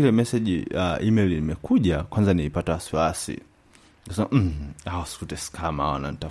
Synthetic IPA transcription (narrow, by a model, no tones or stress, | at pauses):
ilɛmɛsɛʄiaʔimɛlinimɛkuʄakwanzaniipatawasiwasḭ | ksɛaʔm̩awasi̥kutɛsi̥kʰamaa̰wa̰na̰nita